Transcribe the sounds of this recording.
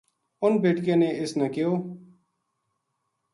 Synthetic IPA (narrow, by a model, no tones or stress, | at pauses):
ʊnbeːʈkjãːneːɪsnaːkɪjoː